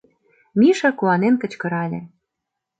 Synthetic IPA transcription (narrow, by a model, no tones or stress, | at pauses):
miʃɑkuɑnenkə̆t͡ɕkɤ̆ɾɑlʲḛ̆